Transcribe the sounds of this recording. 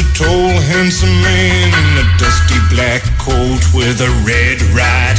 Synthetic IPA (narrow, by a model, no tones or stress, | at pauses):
tʰoʊlˠɦæ̃nsə̃mmẽɪ̃nnðɨd̥ʌstiblækʰoʊlˠt̚wɪðɨɹɛd̚ɹat̚